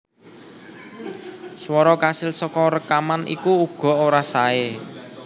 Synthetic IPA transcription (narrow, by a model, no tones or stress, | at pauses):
swɔɾɔkasɪlsɔkɔɾəkamanḭkuːɡ̥ɔ̤oɾasae